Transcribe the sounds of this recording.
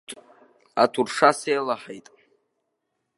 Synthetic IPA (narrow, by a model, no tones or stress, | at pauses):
atʰurʂasejlaħejtʼ